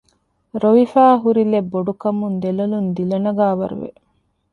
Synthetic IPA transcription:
ɾoʋifæːɦuɾilebːoɖukɐmund̪elɐlund̪ilɐnɐɡaːʋɐ̰ɾṵʋḛ

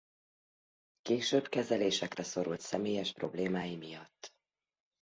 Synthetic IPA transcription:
keːʃøːbkɛzɛleːʃɛkrɛso̞ɾult̪sɛmeːjɛʃpro̞bleːmaːjimijɒt̪ː

